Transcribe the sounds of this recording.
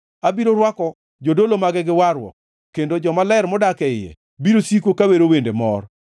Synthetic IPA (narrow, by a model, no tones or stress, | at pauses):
abiɾoɾwakɔ | d͡ʒodolomaɡɪɡɪwaɾwɔ̰ | kendod͡ʒɔmalɛɾmɔdakɛɪjɛ̰ | biɾosikokaweɾowendemɔ̰r